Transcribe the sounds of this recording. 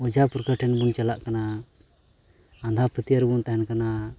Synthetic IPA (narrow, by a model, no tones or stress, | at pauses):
ɔd͡ʒapɾkəʈʰɛnbunt͡ʃɛlaʔkana | and̪ʱapʰət̪iəɾbunt̪aɦɛnkana